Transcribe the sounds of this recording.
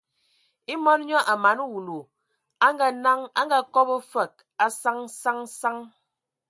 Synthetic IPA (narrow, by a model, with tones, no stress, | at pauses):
i˦mɔ˦n˦ɲɔ˦ʔa˨ma˨˦nu˦wu˨lo˨ | a˦ŋɡa˦˨na˦ŋa˦ŋ˦ɡa˦kɔ˦bə˦fɛ˨k̚ | a˦sa˦ŋsa˦ŋsa˦ŋ